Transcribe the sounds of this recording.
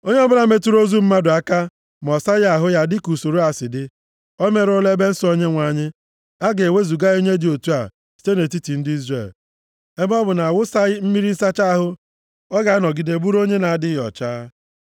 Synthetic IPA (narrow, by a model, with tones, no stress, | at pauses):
o˦ɲe˦ɔ˦bʊ˦la˨˦me˦tu˦ɾo˦zu˦m̩˦ma˦dʊ˨a˦ka˦ | m˨ɔ˨sa˦jɪ˦a˨ɦʊ˦ja˦dɪ˦ku˨so˨ɾo˦a˨sɪ˨dɪ˦ | ɔ˦me˦ɾʊ˦le˦be˦n̩˦so˦ɲe˦ŋʷa˨ɲɪ˦ | a˦ɡe˨we˦zu˨ɡa˦o˦ɲe˦dɪ˨o˨tu˦a˨ | si̥˨te˦ne˨t̬i˦ti˨n̩˦dɪ˦i˦zre˨l | e˦bɔ˦bʊ˨na˨a˨wʊ˦sa˦ɪ˦m̩˦mi˦ɾi˦n̩˦sa˦t͡ʃa˦a˦ɦʊ˦ | ɔ˦ɡa˨˦nɔ˨ɡi˨de˦˨bu˦ɾo˦ɲe˦na˨a˦dɪ˦jɔ̰˨t͡ʃaː˦